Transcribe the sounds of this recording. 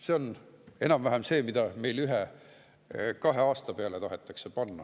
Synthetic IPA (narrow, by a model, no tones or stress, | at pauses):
se̞o̞ne̞nɑmvæɦæmse̞ːmid̪̥ɑme̞jlyɦe | kɑɦe̞ɑːst̪ɑpeɑle̞t̪ɑɦet̪ːˑɑkse̞pɑnːɑ̰